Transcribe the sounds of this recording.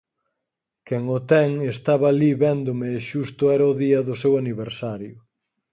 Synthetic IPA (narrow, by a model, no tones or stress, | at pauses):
kɛŋʊt̪ɛŋest̪aβɐːliβɛnd̪ʊmeʃust̪ʊɛɾaʊðiɐðʊsewaniβeɾsaɾjʊ